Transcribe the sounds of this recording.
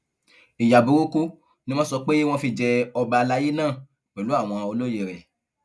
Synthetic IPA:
i˨ja˨bu˨˦ɾu˦ku˦ | nĩ˦mɔ̃˦sɔ˧k͡pe˦w̃ɔ̃˧fi˧d͡ʒɛ˧ɔ˧ba˧la˦je˦nãː˦˨ | k͡pɛ˨lu˨˦a˦˨w̃ɔ̃˧o˧lo˦je˧˨ɾɛ̰˨

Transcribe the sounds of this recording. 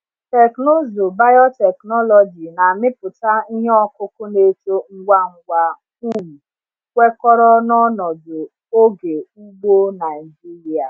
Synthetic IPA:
te˨kno˦zo˨ba˦jɔ˦tɛ˨knɔ˦lɔ˨d͡ʒi˨na˨mɪ˦pʊ˨ta˦i˦ɦɔ˦kʊ˦kʊ˦ne˦to˦ŋ̩˦ɡʷa˦ŋ̩˨ɡʷa˨ | u˦m̩˨ | kʷe˦kɔ˦ɾɔ˦nɔ˦nɔ˨dʊ˨ | o˦ɡe˨u˦ɡ͡bo˦na˨ɪi˨d͡ʒi˦ɾi˨a˨

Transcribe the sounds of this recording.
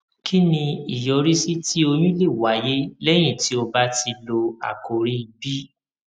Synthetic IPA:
kʰi˦nĩ˧i˨jɔ˧ɾi˦si˦ti˦o˧j̃ũ˦le˦˨wa˨˦je˦lɛ˦j̃ĩ˦˨ti˨˦o˧ba˦ti˧lo˧a̰˨ko˨ɾi˦i˧bi˦

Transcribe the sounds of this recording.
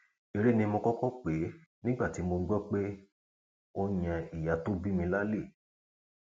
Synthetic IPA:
e˨ɾe˦nĩ˧mo˧kɔ˦kɔ˦˨k͡pe˨˦nĩ˦ɡ͡ba˦˨ti˨˦mo˧ɡ͡bɔ˦k͡pe˦ | o˧j̃ã˧i˨ja˨to˦bi˦mĩ˧la˦le˦˨

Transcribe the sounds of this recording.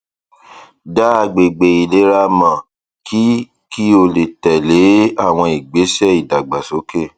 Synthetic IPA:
da˦a˧˨ɡ͡be˨ɡ͡be˨i˨le˨˦ɾa˧mã˨ | kʰi˦ | ki˦o˧le˨tɛ˨le˨˦a˦˨w̃ɔ̃˧i˨ɡ͡be˨˦sɛ˦˨i˨da˨ɡ͡ba˨so˨˦ke˦˨

